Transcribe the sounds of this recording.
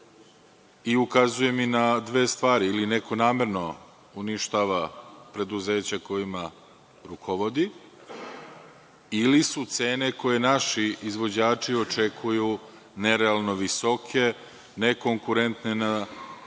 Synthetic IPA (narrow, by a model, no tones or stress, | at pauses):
iukazuje̞minad̪ʋe̞ːst̪ʋaːɾiːline̞ko̞naːme̞ɾno̞ | uniʃt̪aːʋapɾe̞d̪uze̞ːt͡ɕako̞jima | ɾukʰo̞ʋo̞d̪i | ilisut̪se̞ːne̞ko̞je̞naʃiizʋo̞d͡ʑaːt͡ʂio̞t͡ʂe̞kʰuju | ne̞ɾealˠno̞ʋiso̞kʰe̞ | ne̞ko̞ŋkuɾe̞nt̪nena